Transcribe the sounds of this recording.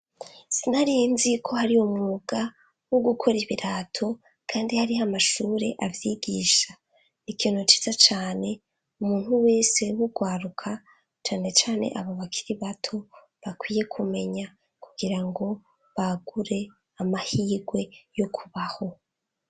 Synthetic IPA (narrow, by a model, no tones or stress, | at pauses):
sinhaɾijinzikʰo̞haɾiomŋuːɡ̥a | woɡukʰo̞ɾiβiɾaːtʰo̞ | kʰaːndihaɾihamaʃuːɾe̞̰ʔavjiːɡiːʃa | ikiːn̥ot͡ʃi̥z̥at͡ʃaːne̞ | umuːn̥huwe̞ːse̞wuɡwaːɾukʰa | t͡ʃaːne̞t͡ʃaːne̞̰ʔaβoβakʰi̥ɾiβatʰo̞ | βakwiːje̞kʰume̞ɲa | kuɡiɾaŋɡo̞ | βaɡ̥uɾe̞ | amahiːɡwe̞jo̞kʰuβaho̞